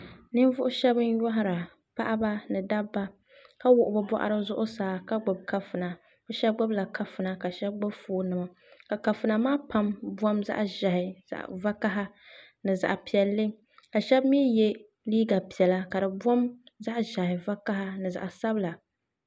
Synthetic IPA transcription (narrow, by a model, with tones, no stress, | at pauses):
nɨ˦n˦vʊ˦ʔʊ˦ʃɛ˦bɨ˦n˦jɔ˦ɦa˦ɾa˨ | pa˦ʔa˦ba˦nɨ˨da˦bːa˦ | ka˦wʊ˨ʔʊ˨bɨ˦bɔ̰˦ʔa̰˦ɾɨ˦zʊ˦ʔʊ˦saː˨˦ka˦ɡ͡bʊ˨b̚ka˦fɨ˨na˨ | bʊ˦ʃɛ˦b̚ɡ͡bʊ˦bla˨kʰa˦fɨ˨na˨ka˨ʃɛ˦b̚ɡ͡bʊ˦bfoː˨˦nɨ˨ma˨ | ka˨ka˨fɨ˨na˨maː˦pa˦mbu˦ɔ˦mza̰˦ʔʒa˨hɪ̰˨va˦ka˦ɦa˦ | nɨ˨za̰˨ʔpi˨ɛ˨lːɨ˦ | ka˨ʃɛ˦bmiː˦jɛ˦ | liː˦ɡa˨pi˨ɛ˨la˦ka˨dɨ˨bɔ˦mza˦ʔʒa˨hɪ˨va˦ka˦ha˦nɨ˨za̰˨ʔsa˦bla˨